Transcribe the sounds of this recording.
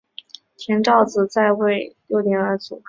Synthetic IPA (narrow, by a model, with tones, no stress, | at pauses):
t̪ʰjɛ˧˥nʈ͡ʂɑ˥˩ʊt͡sɹ̩˨˩t͡sa˥˧ɪwe˥˩ɪjo˥˧˩ʊt̪jɛ˨˥˩nə˞˧˥t͡sṵ˨˩